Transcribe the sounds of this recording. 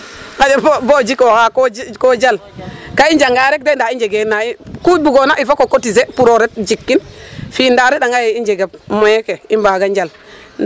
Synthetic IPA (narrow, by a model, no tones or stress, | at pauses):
kad͡ʒebobod͡ʒikokakokod͡ʒal | kaind͡ʒaŋɡaɾek̚dendaind͡ʒeɡenaikubuɡonaʔifokokotizepuɾoɾet̚d͡ʒikːinfindaɾiɗaŋajeind͡ʒeɡeb̚mojekeimbaɡand͡ʒal